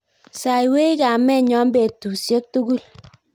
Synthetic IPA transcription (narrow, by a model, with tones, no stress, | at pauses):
sa˨i˨we˦i˦ka˨mɛ˦ɲɔ˦mbe˨tu˨sje˦k̚tu˦ɡu˦˨l